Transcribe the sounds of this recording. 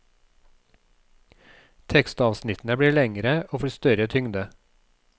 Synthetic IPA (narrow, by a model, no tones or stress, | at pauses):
t̪ʰɛkst̪ɑːʋsnɪt̪n̩əbɽiːɭɛŋəɾəoːfɔst̪œɾət̪ʰʏŋd̪ə